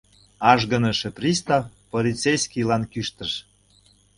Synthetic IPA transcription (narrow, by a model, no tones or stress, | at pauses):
ɑʒɡə̆nə̆ʃeprʲist̪ɑfpolʲit͡sejskʲilɑnkyʃt̪əʃ